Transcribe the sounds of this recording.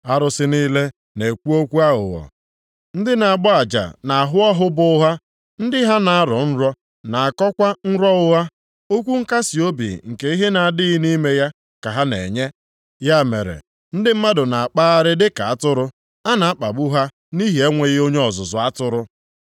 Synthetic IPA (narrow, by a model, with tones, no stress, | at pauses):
a˦ɾʊ˨sɪ˦niː˦le˦ | ne˨kʷu˦o˦kʷu˦a˦ɦʊ̰˨ɔ̰˨ | n̩˦dɪ˦na˨a˨ɡ͡bɔ˦a˨d͡ʒa̰˨na˨a˨ɦʊ˦ɔ˦ɦʊ˦bʊ˦ʊ˦ɦa˦ | n̩˦dɪ˦ɦa˦na˨a˦ɾɔ̰˨n̩˦ɾɔ˦ | na˨a˨kɔ˦kʷa˦n̩˦ɾɔ˦ʊ˦ɦa˦ | o˦kʷu˦ŋ̩˦ka˦si˨o˦bḭ˨ŋ̩˨ke˨i˦ɦe˦na˨a˨dɪ˦ɪ˦ni˦me˦ja˦ | ka˨ɦa˦nḛ˨ɲe˦ | ja˦mḛ˨ɾḛ˨ | n̩˦dɪ˦m̩˦ma˦dʊ˨na˨a˨k͡pa˦a˦ɾɪ˦dɪ˦ka˨a˦tʊ˦ɾʊ˦ | a˦na˨a˦k͡pa˨bu˦ɦa˦ | ni˦ɦi˨e˦ŋʷe˨ɣɪ˦o˦ɲe˦ɔ˨zʊ˨zʊ˨a˦tʊ˦ɾʊ˦